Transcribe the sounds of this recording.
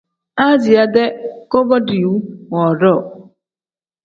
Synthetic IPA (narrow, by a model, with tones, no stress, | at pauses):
a˦d͡ʒi˨a˦de˦ko˦bɔ˦di˨u˦ŋɔ˨ɾɔ˦˨